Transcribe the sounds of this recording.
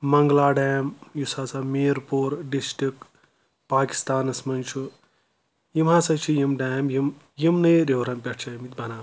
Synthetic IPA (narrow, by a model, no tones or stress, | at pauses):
mɐŋɡlaːɖaːmjusaːsameːɾpoːɾɖisʈik | paːki̥st̪aːnɐsmɐnt͡ʃʰu | jimɦãsɐt͡ʃʰijimɖaːmjim | jimnɐjɾewɾɐmpʲɐʈʰt͡ʃʰajimit̪bɐnaː